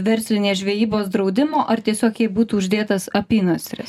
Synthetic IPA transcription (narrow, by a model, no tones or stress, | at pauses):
ʋʲɛɾʲsʲlʲɪnʲeːsʒʲʋʲeːjiːboːsd̪ɾɒʊd̪ʲɪmoːʔɐɾt̪ʲiɛsʲoːkjɛɪbuːt̪uːʊʒʲd̪ʲeːt̪ɐsɐpʲiːnuːsʲɾʲɪ̰s